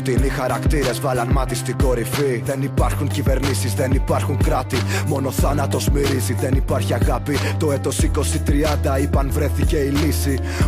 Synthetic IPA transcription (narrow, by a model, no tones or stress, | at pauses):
t̪inixɐɾɐkt̪iɾe̞zvɐlɐnmɐt̪ist̪iko̞ɾifiðe̞nipɐɾxuɲcive̞ɾnisizðe̞nipɐɾxuŋkɾɐt̪imo̞no̞θɐnɐt̪o̞zmiɾiziðe̞nipɐɾçiɐɣɐpit̪o̞et̪o̞siko̞sit̪ɾiɐnd̪ɐipɐnvɾe̞θice̞ilisi